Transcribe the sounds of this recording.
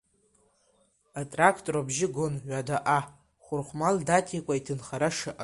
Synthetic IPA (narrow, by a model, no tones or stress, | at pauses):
atʼrakʰtʼrobʒɪɡʷʊnʕʷadaʔa | χʷʊrχʷmaldatʰikʷʼaitʰɨnχaɾaʂaʔa̰